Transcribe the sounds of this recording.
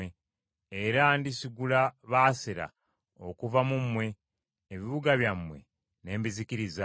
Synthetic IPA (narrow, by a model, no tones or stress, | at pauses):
e | eɾandisiɡulaβaːseɾa̰ | o̞kuvamumwe̞ː | βiβuɡaβjamwe̞̰ | ne̞ːmbizikiɾiza